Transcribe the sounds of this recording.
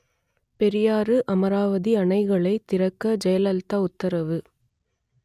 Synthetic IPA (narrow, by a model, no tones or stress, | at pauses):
pɛɾɪjaːɾɯʔɐmɐɾaːʋɐðiɐɳɐɪɣɐɭɐɪt̪ɪɾɐkːɐd͡ʒɐjɐlɐlt̪ɐʊt̪ːɐɾɐʋɯ